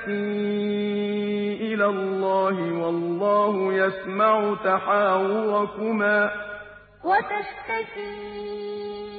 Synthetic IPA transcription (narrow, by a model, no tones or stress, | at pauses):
kiː | ʔɪlaːlˤːɑːhɪwɑlːɑːhʊjasmaʕʊt̪aħaːwʊɾˤɑkʊmaː | wat̪aʃt̪akiː